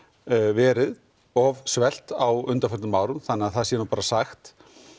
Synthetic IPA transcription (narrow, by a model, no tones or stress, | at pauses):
vɛːɾɪð | ɔvsvɛl̥t̪awʏnt̪aɾfœt̪ʏmːaːwɾʏmθanːɛːaðθaðsjɛnupaːɾasaxt̪